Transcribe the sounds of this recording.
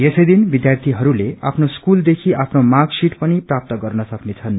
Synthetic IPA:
esʌjd̪inbid̪jart̪ʰiɦʌɾuleapʰnoskuld̪ekʰiʔapʰnomaksiʈpʌniprap̚t̪ʌɡʌrnʌsʌknet͡sʰʌn

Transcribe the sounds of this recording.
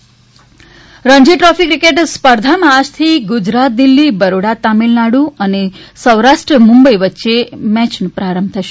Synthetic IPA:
ɾəɲd͡ʒiʈɾɔfikɾikeʈspəɾd̪ʱamãːʃt̪ʰiɡʊd͡ʒɾat̪̚d̪ilːibəɾoɽat̪amilnaɽũənesəwɾaʃʈɾəmũmbəiʋətːʃemɛt͡ʃnupɾaɾəmb̚t̪ʰəʃe

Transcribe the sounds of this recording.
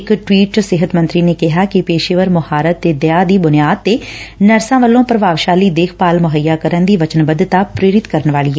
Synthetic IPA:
ɪkʈʋiːʈsɪɦət̪mə̃nt̪ɾiːneːkɪɦaːkɪpeːʃeʋəɾmʊhaːɾət̪ːeːd̪jaːd̪iːbʊnɪjaːd̪̚t̪eːnəɾsãːʋəlːõːpɾəʋaːʋʃaːliːd̪eːkʰpaːlmʊɦəjːaːkəɾənd̪iːʋət͡ʃənbəd̪t̪aːpɾeːɾɪt̪kəɾənʋaːliːɛ

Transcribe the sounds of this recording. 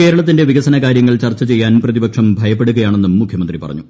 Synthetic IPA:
ke̞ːɾɐɭɐt̪̬ːinde̞ʋiɡɐsɐnɐkaːɾjɐŋːɐɭt͡ɕɐrt͡ɕːɐt͡ɕe̞jːaːnprɐðibɐkʂɐmbʱɐjɐpːeɽuɣɐjaːɳe̞nːumːukʰjɐmɐnd̪ripɐrɐ̰ɲːu

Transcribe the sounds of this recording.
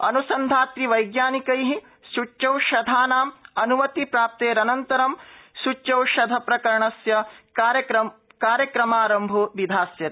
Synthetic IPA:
ɐ̰nusɐnd̪ʱaːt̪ɾiʋɐjɡjaːnikɐjɦi | sut͡ʃːɐwʃɐd̪ʱaːnaːmɐnumɐt̪ipɾaːp̚t̪eːɾɐnɐnt̪ɐɾɐmsut͡ʃːt͡ʃːɐwʃɐd̪ʱɐpɾɐkɐɾɐɳɐsjɐɾɐɾɐ | kaːɾjɐkɾɐmaːɾɐmbʱoʋid̪ʱaːsjɐt̪

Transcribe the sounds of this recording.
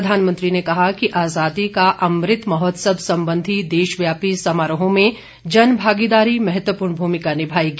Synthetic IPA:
d̪ʱaːnmə̃nt̪ɾinekɐɦakiʔaːzaːd̪ikaʔɐmɾɪt̪mɐɦɔt̪səbʱsɐ̃mbə̃nd̪ʱid̪eːʃʋjaːpisɐmaːɾəɦõmẽ | d͡ʒɐnbʱaːɡid̪aːɾimɛɦɛt̪wəpuːɾɳbʱuːmɪkanɪbʱaːikː

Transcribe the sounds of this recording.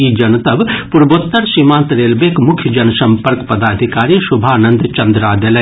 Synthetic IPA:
id͡ʒɐnt̪ɐbpʊɾbot̪ːɐɾʃimãːnt̪ɾeːlbeːkmʊkʰjəd͡ʒɐnsɐ̃mpəɾkpɐd̪aːd̪ʱikaːɾisʊbʱaːnɐ̃nd̪t͡ʃɐnd̪ɾaːd̪ele

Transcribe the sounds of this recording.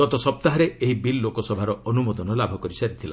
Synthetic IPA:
ɡ̥ɔt̪ɔsɔp̚t̪aɦɔɾeeɦibilːokɔsɔbʱaɾɔɔnumɔd̪ɔnɔlabʱɔkɔɾisaɾit̪ʰila

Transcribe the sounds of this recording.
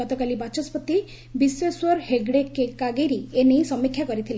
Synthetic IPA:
ɔt̪ɔkalibat͡ʃɔspɔt̪i | biswɔswɔɾheɡɽekːekaɡejɾienejsɔmːikʰjakɔɾit̪ʰile

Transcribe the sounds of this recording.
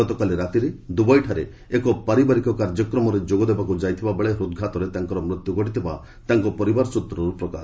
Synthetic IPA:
ɔt̪ɔkaliɾat̪iɾed̪ubɔjʈʰaɾe | ekɔpaɾibaɾikɔkaɾd͡ʒɔkɾɔmɔɾed͡ʒoɡɔd̪ebakud͡ʒajt̪ʰibabeɭeɦɾud̪̚ɡʱat̪ɔɾet̪aŋkɔɾɔmɾit̪juɡɔʈit̪ʰiba | t̪aŋkɔpɔɾibaɾsut̪ɾɔɾupɾɔka̰s

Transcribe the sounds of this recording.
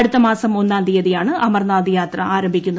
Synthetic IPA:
ɐɽut̪ːɐmaːsɐmo̞nːaːnd̪ijɐðijaːɳɨʔɐmɐrnaːd̪ijaːt̪rɐaːɾɐmbʱikʲːunːɐ

